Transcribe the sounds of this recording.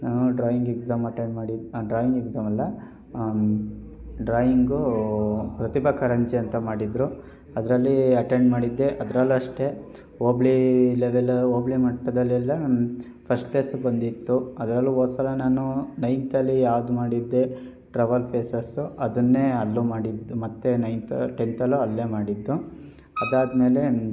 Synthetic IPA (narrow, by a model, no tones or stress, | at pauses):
naːnuɖɾaːjiŋɡeɡzaːmɐʈeɳɖmaːɽiɖɾaːjiŋɡeɡzaːmɐlːɐ | ɖɾaːjiŋɡu | pɾɐt̪ibɐkɐɾɐɲt͡ʃiɐnt̪ɐmaːɽid̪ɾu | ɐd̪ɐɾɐlːiɐʈeɳɖmaːɽid̪ːeʔɐd̪ɾɐlːuɐʂʈe̞ | oːbɭileʋeloːbɭimɐʈːɐd̪ɐlːilːɐ | pʰɐsʈpleːsbɐnd̪it̪ːuɐd̪ɐɾɐlːioːsɐlɐnaːnunɐjnt̪ɐlːijaːʋd̪umaːɽid̪ːe | ʈɾɐʋɐlpʰeːsɐsuʔɐd̪ɐnːe̞ɐlːumaːɽid̪ːumɐt̪ːenɐjnt̪ɐ̰ʈent̪ɐluɐlːemaːɽid̪ːu | ɐd̪aːd̪me̞ːle̞